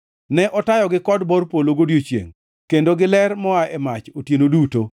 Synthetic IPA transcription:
nɛʔɔtajɔɡɪkɔdbɔrpoloɡodjot͡ʃjḛŋ | kendoɡɪlɛrmɔaɛmat͡ʃotjenoduto

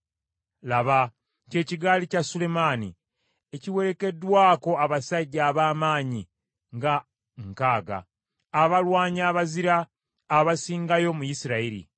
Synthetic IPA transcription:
laβa | ce̞ːciɡaːlicasule̞maːnḭ | eciwe̞ɾe̞ke̞dːwaːko̞aβasaɟːaːβaːmaːɲi | ŋɡa | ŋkaːɡa̰ː | βalwaːɲaːβaziɾaː | βasiːŋɡajo̞mujisiɾaiɾḭ

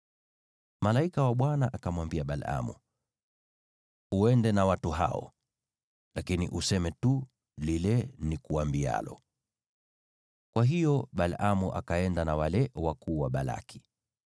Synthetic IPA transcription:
malaikawaɓwanaʔakamwambiaɓala̰mṵ | uɛndɛnawatuɦa̰ɔ̰ | lakinḭʔusɛmɛtu | lilɛnikuambia̰lɔ | kwaɦijɔɓalamuʔa̰kaɛndanawalɛwakuːwaɓala̰kʰi̥

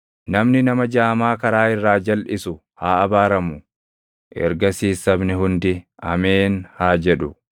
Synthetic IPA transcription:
nɐmnɪnɐmɐd͡ʒaːmaːkɐɾaːɪrːaːd͡ʒɐlʔɪsʊ | haːɐbaːɾɐmʊ | ʔɛ̰ɾɡɐsiːsɐbnɪɦʊnd̪ɪɐ̰meːnhaːd͡ʒɛᶑʊ

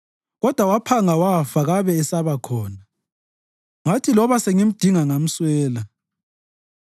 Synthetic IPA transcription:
ɣɔd̥ʱwawapʰaŋawafaɣaβɛːsaβakʰɔːna | ŋatʰilɔβaseŋim̩d̥ʱiŋaŋam̩swɛːla

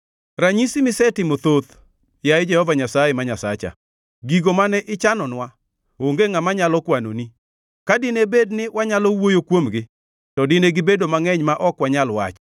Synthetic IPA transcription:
raɲisimɪsɛtɪmot̪ot̪ | jaɪd͡ʒɛhɔvaɲasajɛmaɲasat͡ʃa̰ | ɡiɡomanɛʔɪt͡ʃanɔnwa | oŋɡeŋamaɲalɔkwano̰ni | kadɪnebednɪwaɲalɔwojokwomɡɪ | tɔdɪneɡɪbedomaŋɛɲmaʔɔkwaɲalwa̰t͡ʃ

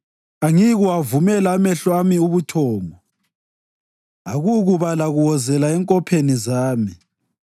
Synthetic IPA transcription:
aŋiɣuwavumɛlaːmɛɬwamiuβutʰɔːŋɔ | aɣuɣuβalaɣuwɔzɛlaɛŋkʼɔpʰenizaːmi

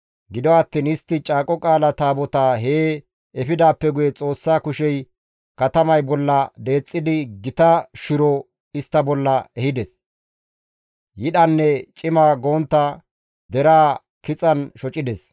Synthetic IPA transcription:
ɡɪd̪ɔɐt̪ːiːnɪst̪ːɪt͡ʃʼaːkʼɔkʼaːlɐt̪aːbɔt̪aːɦeː | ɛfɪd̪aːpːɛɡʊjɛt͡sʼo̞ːsːaːkʊʃɛj | kɐt̪ɐmɐjbɔlːɐd̪e̞ːt͡sʼːɪd̪ɪɡɪt̪ɐʃɪɾɔ | ɪst̪ːɐbɔlːɐɛhɪd̪ɛs | jɪɗɐnːɛt͡ʃʼɪmaːɡo̞ːnt̪ːɐ | d̪ɛɾaː | kɪt͡sʼɐnʃɔt͡ʃʼɪd̪ɛs

